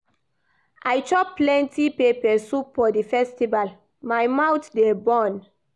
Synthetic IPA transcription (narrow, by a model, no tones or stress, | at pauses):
ʔajt͡ʃɔkplɛ̃ntʰipepɛsupfɔdifɛstival | majmawtdɛbɔ̃n